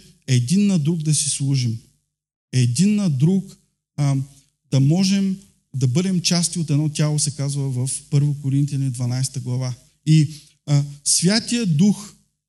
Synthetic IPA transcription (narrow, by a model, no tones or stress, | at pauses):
ɛd̪inːɐd̪ɾuɡd̪ɐsislˠuʒim | ɛd̪inːɐd̪ɾuk | d̪̥ɐmɔʒɛm | d̪ɐbɤd̪ɛmt͡ʃast̪iot̪ɛd̪nɔt̪ʲalˠosɛkazvəvɐfpɤɾvokoɾint̪ijɐnid̪vɐnajst̪əɡlˠɐva | i | svʲjat̪ijəd̪ux